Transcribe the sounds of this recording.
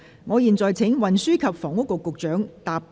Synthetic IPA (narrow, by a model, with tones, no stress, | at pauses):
ŋɔː˨˧jiː˨˧nt͡sɔː˨jt͡sʰɪ˨˥ŋwɐ˨nsyː˥kʰɐ˨p̚fɔː˨˩ŋʊ˥kːʊ˨˧kːʊ˨k̚t͡ʃœː˨˥ŋt̪aː˨p̚